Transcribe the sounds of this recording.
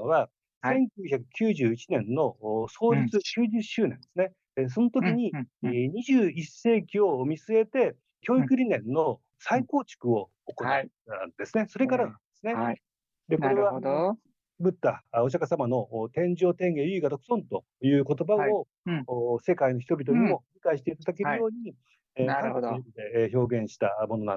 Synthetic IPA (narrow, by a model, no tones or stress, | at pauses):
oβa | sẽ̞ŋkʲɨːçakɯ̟̥kʲɨːʑɨːit͡ɕinẽ̞nːo̞so̞ːɾʲit͡sɨɕɨːʑɨɕːɨːnẽ̞nd̪e̞sɨne̞ | s̬o̞no̞t̪o̞kʲiɲ̟iɲiʑɨːise̞ːkʲio̞mʲit͡sɨe̞t̪e̞ | kʲo̞ːikɯ̟ɾʲinẽ̞nːo | saiko̞ːt͡ɕi̥kɯ̟o̞ːkoa | and̪e̞sɨne̞so̞ɾe̞kaɾanãnd̪̥esɨne | d̪e̞ko̞ɾe̞βa | bɯ̟t̪ːaoɕ̬akasamano̞t̪ẽ̞ɲ̟d͡ʑo̞ːt̪ẽ̞ŋɡe̞jɯiɡat̪okɯ̥sõ̞nt̪o̞ | jɯ̟ːko̞t̪o̞bao | se̞kaino̞çi̥t̪obʲit̪o̞ɲimo̞ɾʲikaiɕi̥t̪e̞it̪ad̪ake̞ɾɯ̟jo̞ːɲ̟i | ãkokid̪e̞ço̞ːɡẽ̞ɰ̃ɕi̥t̪amo̞no̞nã̰